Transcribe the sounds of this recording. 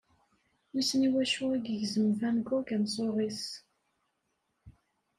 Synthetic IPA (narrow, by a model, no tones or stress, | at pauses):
misniwæʃʊiɡəʝzəmvænɡʊkænsˤoʁis